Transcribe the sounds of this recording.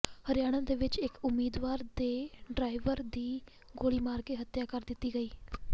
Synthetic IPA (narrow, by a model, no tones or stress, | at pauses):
həɾɪjaːɽ̃ãːd̪eːʋɪt͡ʃɪkʊmːiːd̪ʋaːɾd̪eːɖɾaːɪʋəɾd̪iː | ɡoːliːmaːɾkeːɦət̪jaːkəɾd̪ɪt̪ːiːɡəiː